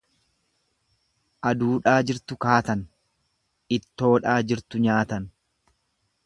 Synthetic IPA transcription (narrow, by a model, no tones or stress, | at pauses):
ʔɐd̪uːᶑaːd͡ʒɪɾt̪ʊkaːt̪ɐn | ɪt̪ːo̞ːᶑaːd͡ʒɪɾt̪ʊɲaːt̪ɐn